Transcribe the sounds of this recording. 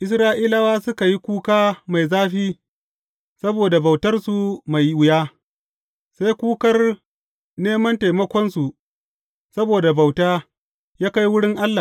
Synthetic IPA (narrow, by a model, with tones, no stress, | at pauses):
ʔɪ˦s̬ɾaː˦ʔiː˦la˦waː˦sʊ˦ka˨ji˦kʷuː˦kaː˦ma˨jzaː˦ɸiː˦ | sɐ˦boː˨da˨ba˨wtɐ˦rsu˨ma˨jwʊ˨jaː˦ | sa˦jkʷuː˦kɐ˦r | neː˦mɐ˦nta˨jmɐ˦kʷɔ˦nsu˨ | sɐ˦boː˨da˨ba˨wtaː˦ | jaː˦ka˦jwʊ˦ɽɪ˦ŋʔa˦lːa˨